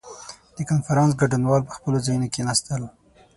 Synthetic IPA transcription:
d̪̥əkanfaɾɑns̬ɡaɖunwɑlpə̥xpəlozajunokenɑst̪əl

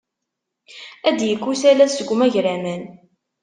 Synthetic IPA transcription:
æd̪jəkːusælæsəɡʷːmæʝɾæmən

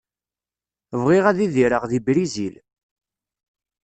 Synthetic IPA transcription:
vʁiʁæðiðiɾəʁðibɾizil

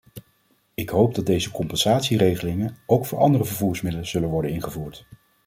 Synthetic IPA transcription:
ɪkɦowp̚dɑd̚dejzəkɔmpɛnzaːtsirejχəlɪŋənowkfʊːɹɑ̰ndərəvəɹvuːɹsmɪdələz̥ɵlənʋɔɹdənɪnχəvuːɹt

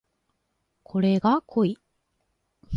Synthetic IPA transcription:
kʰo̞ɾe̞ɡakʰoi

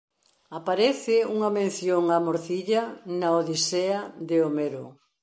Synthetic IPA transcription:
apaɾeθɪuŋɐmẽn̟θjoŋamoɾθiʎɐnaoðiseaðeomeɾo

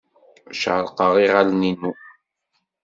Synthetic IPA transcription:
ʃʕəlqɑʁiʁalninu

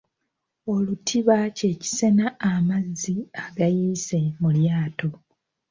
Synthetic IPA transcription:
o̞lutʰiβace̞ːci̥se̞naːmazːiaɡajiːse̞muljaːto̞

